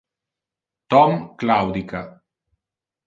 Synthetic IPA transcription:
t̪ɔmklawd̪ika

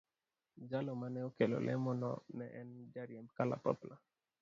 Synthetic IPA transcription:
d͡ʒalɔmanɛokelo̰lʔɛ̰mɔnɔ̰nɛʔɛnd͡ʒaɾjɛmbkala̰pɔ̰pla

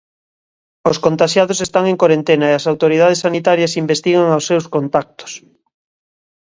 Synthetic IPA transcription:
oskont̪aʃjaðosest̪aŋeŋkoɾent̪enɐeɐsawt̪oɾið̞að̞esanit̪aɾjɐsimbest̪iɣaŋawsːewskont̪ak̚t̪o̥s

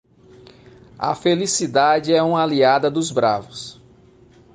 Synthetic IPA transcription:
ɐ̰felisid̪ad͡ʒɪɛũmɐaliad̪ɐd̪ʊzbɾa̰vʊs

